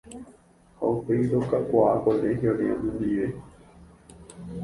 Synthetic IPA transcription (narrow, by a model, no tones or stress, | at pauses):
ha̰upejɾokakʷaakoleɦjoɾeã̰mɨ̃nd̪iʋe